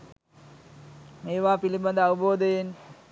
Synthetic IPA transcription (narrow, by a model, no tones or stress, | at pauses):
meːʋaːpilibɐnd̪əɐʋuboːd̪əjen